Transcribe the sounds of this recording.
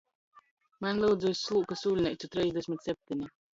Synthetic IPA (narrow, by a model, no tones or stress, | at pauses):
manʲlˠɛwd̪zujsʲːlˠuːkasuːlʲnʲɛsut̪ɾɛjzʲd̪ʲɛsʲmʲit̪ʲsɛp̚ʲt̪ʲinʲi